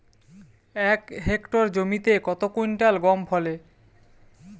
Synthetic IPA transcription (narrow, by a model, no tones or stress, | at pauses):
ɛkɦekʈoɾd͡ʑomit̪ekɔt̪okujnʈalɡɔmpʰɔle